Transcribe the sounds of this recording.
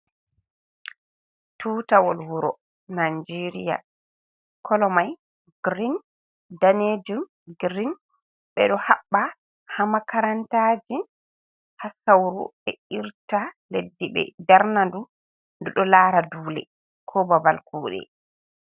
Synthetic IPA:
tuːtawɔlwuɾɔ | nand͡ʒeɾija̰ | kʰɔlɔmaj | ɡɾin | daned͡ʒum | ɡɾin | ɓɛɗɔhaɓːa | hamakaɾantaːd͡ʒi | hasawɾṵɛiɾtaledːiɓɛ̰daɾnandu | nduɗɔlaɾaduːlɛ̰ | kʰɔbabalkʰuːɗɛ̰

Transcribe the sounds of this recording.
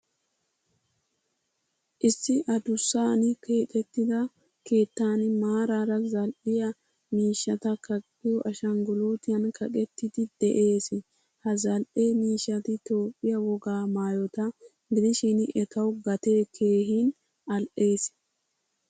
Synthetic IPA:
ʔɪsːɪʔɐd̪ʊsːaːnɪke̞ːt̪ʼɛt̪ːɪd̪ɐ | ke̞ːt̪ːaːnɪmaːɾaːɾɐzɐlʔɪjɐ | miːʃːɐt̪ɐkɐkʼː | ɪjɔʔɐʃɐŋɡʊloːt̪ɪjɐnkʰɐkʼɛt̪ːɪd̪ɪd̪̥ɛ̰ʔe̞ːs | hɐzɐlʔeːmiːʃːɐt̪ɪt̪o̞ːpʼːɪjɐwɔɡaːmaːjɔt̪ɐ | ɡɪd̪ɪʃinɪʔɛt̪ɐwɡɐt̪e̞ːkʰe̞ːɦiːn | ɐlʔe̞ːs

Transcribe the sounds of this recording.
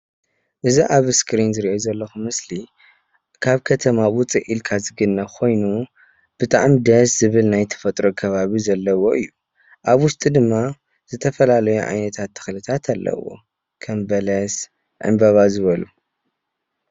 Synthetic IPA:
ʔɨziʔaβɨskɾinzɨɾiʔezɐlːɐxumɨsli | kʰaβkʰɐt̪ʰɐmawʊt͡sʼiʔilkʰazɨɡɨnːɐkʰo̞jnu | b̥ɨt̪ʼaʕmid̪ɐszɨβɨlnajt̪ʰɐ̥fɐt̪ʼɾokʰɐβaβizɐlːɐwo̞ʔɨjːu | ʔaβwʊst̪ʼid̪ɨmːa | z̥ɨt̪ʰɐfɐlalɐjuʕa̰jnɐt̪ʰat̪ʰːɨ̥xlɨt̪ʰat̪ʰalːɐ̰wo̰ | kʰɐmbɐlɐs | ʕɨ̰mbɐβazɨβɐlu

